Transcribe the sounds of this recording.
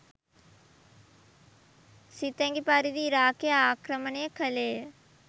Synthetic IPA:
sit̪ɐ̃ŋɡipaːɾid̪iːɾaːkeaːkɾəməneːkʰəleː

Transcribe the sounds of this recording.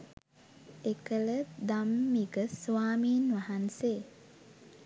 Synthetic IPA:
ekələd̪amːiɡəsʋaːmiːnʋaɦanseː

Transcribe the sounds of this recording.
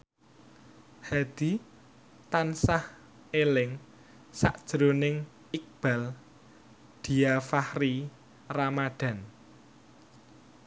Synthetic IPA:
had̪̥i | t̪ansah | elɪŋ | sa̰ʔd̥ʒ̥ɾonɪŋ | ik̚b̥a̤l | d̪̥i̤afahri | ramaɖ̥a̤n

